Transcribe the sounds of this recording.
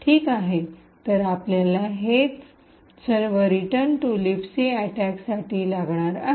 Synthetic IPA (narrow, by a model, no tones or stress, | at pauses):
ʈʰiːkaɦe | t̪ːəɾapljalaɦet͡s | səɾʋəɾiʈənʈulifseæʈæksaʈiːlaɡɳ̃aɾa